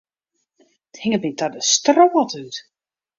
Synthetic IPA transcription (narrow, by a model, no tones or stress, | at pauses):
thɪŋət̚mitadəstroːətyt